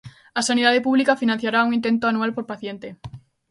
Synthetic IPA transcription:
asanið̞að̞epuβlikafinãn̟θjaɾauŋĩnt̪ent̪oanualpoɾpaθjent̪e

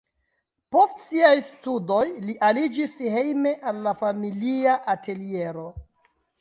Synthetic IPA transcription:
po̞stsiajstudo̞jliʔalid͡ʒishe̞jme̞ʔalːafamiliaʔate̞lieɾo̞

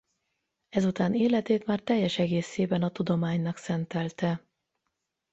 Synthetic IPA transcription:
ɛzut̪aːneːlɛt̪eːt̪maːrt̪ɛjːɛʃɛɡeːseːbɛnɒt̪ud̪o̞maːɲnɒksɛnt̪ɛlt̪ɛ

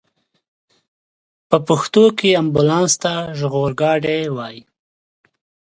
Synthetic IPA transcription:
pəpʊxt̪okeambʊlɑnst̪aʒɣoɾɡɑɖewɑːji

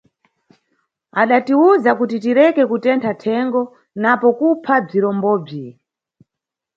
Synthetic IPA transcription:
aɗatiuzakutitiɾɛkɛkutɛntʰatʰɛŋɡɔ | napɔkupʰab͡ʐiɾɔmbɔːb͡ʐi

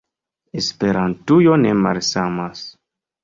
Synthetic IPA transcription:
espeɾantujonemaɾsamas

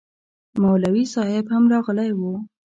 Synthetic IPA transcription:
mawlawisɑhɪbhamɾɑɣəlajwu

